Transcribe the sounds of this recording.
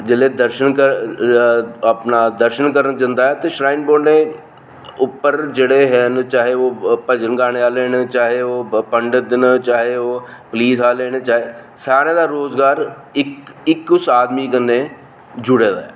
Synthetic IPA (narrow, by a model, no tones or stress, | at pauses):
d͡ʒɪleːd̪əɾʃənkə | əpnaːd̪əɾʃənkəɾənd͡ʒə̃nd̪aːɦɛːt̪eːʃɾaːɪnboːɖneː | ʊpːəɾd͡ʒeːɽeːɦɛːnt͡ʃaːɦeːoːpəd͡ʒənɡaːñeːaːleːnt͡ʃaːɦeːoːpəɳɖəd̪nt͡ʃaːɦeːoːpliːsaːleːnet͡ʃaːɦeː | saːɾeːd̪aːɾoːzɡaːɾ | ɪkɪkːʊsaːd̪miːkənːeː | d͡ʒʊɽeːd̪a̰ːɛː